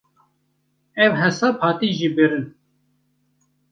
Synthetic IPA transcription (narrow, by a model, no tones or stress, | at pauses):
ɛwɦɛsɑːphɑːt̪iːʒiːbiɾɨn